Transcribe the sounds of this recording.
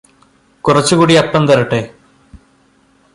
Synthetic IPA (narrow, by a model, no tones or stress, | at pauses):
kurɐt͡ɕːukuːɽiɐpːɐnt̪ɐrɐʈːeː